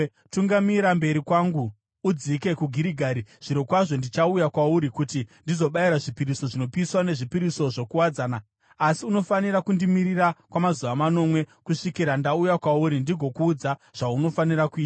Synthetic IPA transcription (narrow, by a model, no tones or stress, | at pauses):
tuŋɡamiɾambe̞ɾikwaŋɡuː | d͡zike̞kuɡʱiɾiɡʱaːɾiʐ̥iɾokwaʐo̞ndit͡ʃaujakwauɾikutindizo̞ɓaiɾaʐipiɾiso̞ʐino̞piswane̞ʐipiɾiso̞ʐo̞kuwad͡zaːnaː | siuno̞faniɾakundimirirakwamazuʋamano̞mwe̞kuʂikiɾandaujakwauɾindiɡʱo̞kuːd͡zaʐ̥auno̞fanirakuiːta